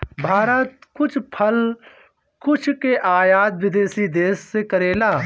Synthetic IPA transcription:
bʱaːɾət̪̚kʊt͡ʃʰpʰɐl | kʊt͡ʃʰkeʔaːjaːd̪̚ʋɪd̪eːsiːd̪eːsːekəɾeːlaː

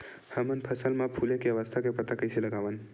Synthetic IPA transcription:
həmənpʰəsəlmapʰulekeəʋəst̪ʰakepət̪akəjseləɡaʋən

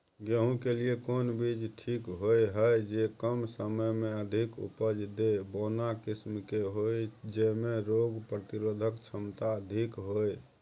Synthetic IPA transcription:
ɡeɦũkeliekonbid͡ʒʈʰikɦojɦəjd͡ʒekəmsəməjmeəd̪ʱikṵpəd͡ʒd̪ebonakismkeɦojd͡ʒemeɾoɡpɾət̪iɾod̪ʱəkt͡ʃʰəmt̪aəd̪ʱikɦoj

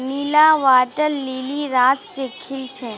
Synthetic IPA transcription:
niːlaʋaːʈəɾliːliɾaːt̪sekʰɪlt͡ʃʰeː

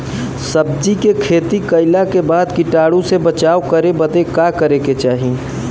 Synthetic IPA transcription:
sɐb̚d͡ʒikekʰeːt̪ikɐɪlakebaːd̪kɪʈaːɽũsebɐt͡ʃaːokɐɾebɐd̪ekakɐɾeket͡ʃaːɦi

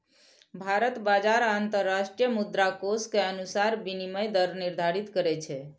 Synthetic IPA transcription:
bʱaɾət̪bad͡ʒaɾaːnt̪əɾːaʃʈɾijəmud̪ɾakoskeənusaɾbiniməjd̪əɾniɾd̪ʱaɾit̪kəɾɛt͡ʃʰɛ

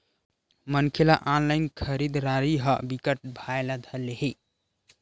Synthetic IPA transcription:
mənkʰelaʔãnlaɪnkʰəɾid̪ɾaɾiɦəbikəʈ̚bʱaelad̪ʱəleɦi

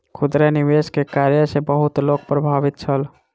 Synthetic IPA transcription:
kʰud̪ɾeniʋeskekaɾjəsebəɦut̪lok̚pɾəbʱabit̪̚t͡ʃʰəl

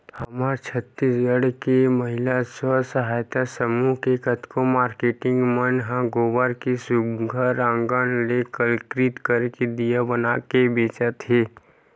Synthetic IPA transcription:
hɐmaːɾt͡ʃʰət̪ːisjəɽkemɐɦɪlaswəsəɦaːjt̪asəmuɦkekət̪komaːɾkeːʈɪ̃ŋɡmənɦãɡoːbaɾkisʊbɡʱəɾãːŋɡanlekəlkɾit̪kəɾked̪ijabənakebeːt͡ʃat̪ɦeː

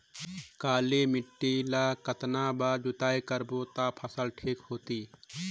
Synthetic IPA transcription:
kaːlemɪʈːilakət̪nabad͡ʒut̪aːjkəɾbot̪apʰəsəlʈʰiːkhoːt̪iː

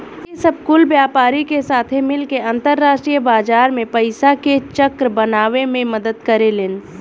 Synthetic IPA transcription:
esəb̚kʊlbjaːpaːɾikesaːt̪ʰemɪlkeə̃nt̪əɾːaːsʈɾijəbaːd͡ʒaːɾmẽpɐɪsaket͡ʃəkɾbənaːʋemẽmɐd̪əd̪kəɾelɪn

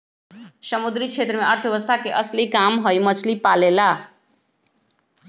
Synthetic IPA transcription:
səmud̪ɾikt͡ʃʰeːt̪ɾəmẽəɾt̪ʰəʋeʋəst̪ʰakeʔəslikamɦojmət͡ʃʰlipalela

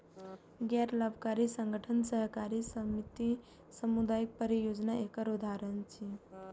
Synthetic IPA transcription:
ɡɛɾlabʱkaɾisəŋɡʱəʈʰənsəɦkaɾisəmit̪i | səmud̪ajik̚pəɾijod͡ʒnaekəɾud̪ʱaɾənt͡ʃʰi

